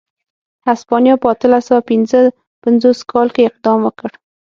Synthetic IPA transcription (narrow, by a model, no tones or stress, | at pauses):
haspɑnijɑpəat̪əlasawapɪnzə | panzoskʰɑlkeɪq̚d̪ɑmwəkəɽ